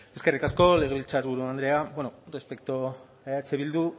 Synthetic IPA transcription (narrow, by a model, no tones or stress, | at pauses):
e̞ske̞rikasko̞le̞ɣe̞βilt͡saɾβuɾuand̪ɾe̞abenorespe̞kt̪o | eat͡seβild̪u